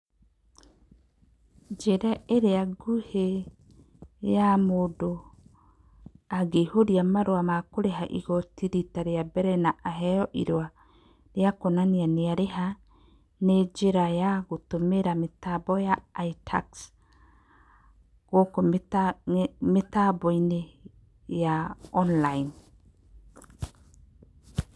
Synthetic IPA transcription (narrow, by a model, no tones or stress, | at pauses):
d͡ʒeɾaeɾeaɡuhe | jamoːdo | aɡehoɾiamaɾoamakoɾeɦaʔḭɣɔtiɾitaɾeabɛɾɛnaʔaɦɛjɔʔḭɾwa | ɾeakonanianeaɾeɦa | ned͡ʒeɾajaɣotomeɾametabɔjaːitʰa̰ks | ɣoko | metabɔine | jaɔnlain